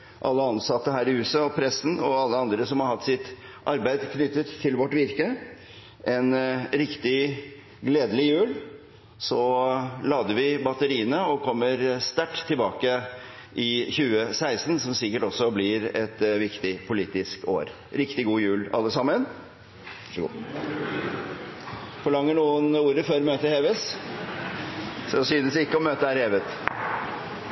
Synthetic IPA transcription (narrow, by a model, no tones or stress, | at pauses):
ʔɑlːəɑnsɑt̪ːəhæːɾɪhʉːsɑɔpʰɾɛsːn̩ɔɑlːəɑnd̪ɾəsɔmhɑɾhɑt̪ːsɪt̪ | ʔɑɾbæɪd̪kʰnʏt̪ːət̪ʰːɪlʋɔʈːʋɪɾkə | ʔɛnɾɪkt̪ɪ | ɡleːd̪əlɪjʉːl | sɔlɑːd̪əɾʋɪbɑt̪əɾiːənəɔkʰɔmːəɾst̪æʈːt̪ʰːɪlbɑːkə | ʔɪçʉːəsæɪst̪nsɔmsɪkəʈɔsːɔblɪɾɛt̪ʋɪkt̪ɪpʰʊliːt̪ɪsko̰ːɾ | ɾɪkt̪ɪɡuːjʉːlɑ̰lːəsɑmːən | ʂɡṵ | fɔɭɑŋːəɳuːənuːɾəføːɾmøːt̪əheːʋɛs | sɔsyːd̪əsɪkːəɔmøːt̪əæɾheːʋət̪